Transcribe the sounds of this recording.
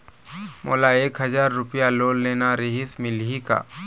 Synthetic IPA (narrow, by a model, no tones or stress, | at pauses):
mo̰ːlaeːkɦɐzaːɾːʊpijaloːlːeːnaɾɪɦɪsmɪlɦika̰ː